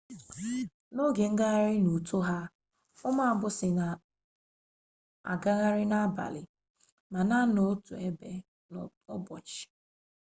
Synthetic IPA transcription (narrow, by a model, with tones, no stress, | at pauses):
no˦ɡe˨ŋ̩˦ɡa˦ɣa˦ɾɪ˦nu˨to˦ɦa˦ | ʊ˦ma˦˨˦bʊ˦sɪ˨na˨ | a̰˨ɡa˦ɣa˦ɾɪ˦na˦ba̰˨lɪ˨ | ma˨na˦no˨˦tu˨e˦be˦ | ɔ˦bɔ˨t͡ʃɪ̥˨